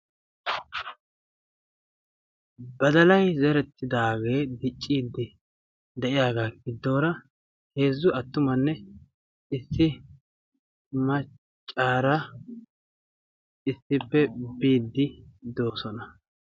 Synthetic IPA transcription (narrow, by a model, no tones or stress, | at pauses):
bɐd̪ɐlɐjzɛɾɛt̪ʰːɪd̪aːɡe̞ːd̪ɪt͡ʃʼːiːd̪ːɪ | d̪ɛʔɪjaːɡaːɡɪd̪ːo̞ːɾɐ | he̞ːzːʊɐt̪ːʊmɐnːɛ | ɪsːɪ | mɐ | t͡ʃʼːaːɾɐ | ɪsːɪpːɛbiːd̪ːɪd̪o̞ːsɔnɐ